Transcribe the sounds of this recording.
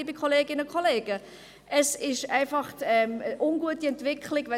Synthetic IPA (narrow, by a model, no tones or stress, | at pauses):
ibikχoleːɡɪnəkʰoleːɡ̥ə | ʔəsɪʃæɪfɑχtɛməʔʊnɡuətiɛntvɪkχlɪɡʋɛ